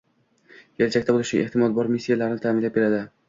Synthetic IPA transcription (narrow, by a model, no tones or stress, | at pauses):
jʲʰelt͡ʃʰakʲt̪abolˠɪʃɪ̰ʔeht̪ɪmɒt̪̚bɒɾmisːijalaɾɪnɪt̪ʰamɪnlap̚be̞ɾad̪ɪ